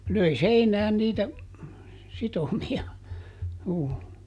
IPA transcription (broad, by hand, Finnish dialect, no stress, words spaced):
løi seinæːn niːtæ sitomiɑ juː